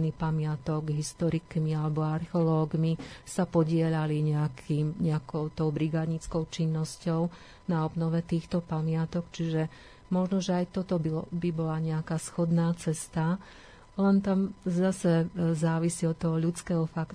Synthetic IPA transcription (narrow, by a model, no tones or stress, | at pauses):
niːpamɪat̪ɔɡɦist̪ɔɾikmialɛbɔaɾxɛɔlɔːɡmisapɔɟɪɛʎaliɲɛakʰiːmɲɛakɔʊt̪ɔʊbɾiɡaːd̪ɲit͡skɔʊt͡ʃinːɔscɔʊ | naɔbnɔʋɛt̪iːxt̪ɔpamɪat̪ɔkt͡ʃiʒɛ | mɔʒnɔʒɛajt̪ɔt̪ɔbibibɔlaɲɛakaːsxɔd̪naːt͡sɛst̪a | lɛnt̪amzasɛzaːʋisiɔt̪ːɔɦɔʎut͡skɛːɦɔfak